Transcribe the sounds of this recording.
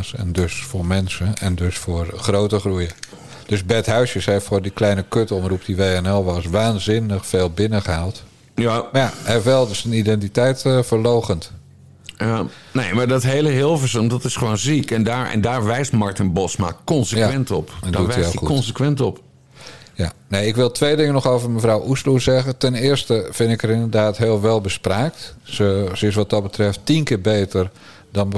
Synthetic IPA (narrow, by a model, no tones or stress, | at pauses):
sɛ̰ndøsfʊːrmɛnsəɛndøsfʊːrχrowtəχrujə | d̥øsbɛtɦœɥsjəsɛffoːrdiklɛjnəkøtəɔmrup̚diʋeːɛnɛlˠʋɑsʋaːnzɪnəχfeːlˠbɪnəχəɦalˠt | jamjahɛfʋɛlˠdsənidɛntitɛjtfərlowχənt | neːmaɹdɔtɦeːləɦɪlˠfəsəndɔtɪsχəʋoːnzikɛndaɹɛ̰ndaːɹʋɛjstmaɹtənbɔsma̰kɔnsəjaʋɛntɔpɛndduiukɔnsəkʋɛntɔp | janeɪkʋɪlˠtʋejdɪŋənɔxoːvərməvrawʔuslusɛɣətɛnɪːrstəfɪnɪkərɪndərdaːtɦɪəlˠʋɛlˠbəspraːk̚tsəsəɪs̬ʋɔt̚dɔt̚bətrɛfttinkɪːbeːtər | dɔn